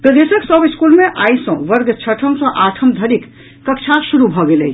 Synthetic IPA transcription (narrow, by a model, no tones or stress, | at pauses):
kəd̪esəksəbiskulmeʔaisə̃ʋəɾɡt͡ʃʰəʈʰəmsə̃ʔaʈʰəmd̪ʱəɾikː | əkt͡ʃʰasuɾubʱɔɡeləi